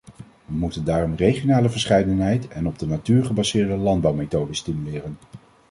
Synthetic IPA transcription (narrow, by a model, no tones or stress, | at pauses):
ʋəmutəndaːrɔmrejχijonaːləvəɹsχɛjdənɦɛjtɛnɔb̚dənatyːɹχəbɑzɪːɹdəlɑnd̚bɑwmejtowdəstimylɪːrən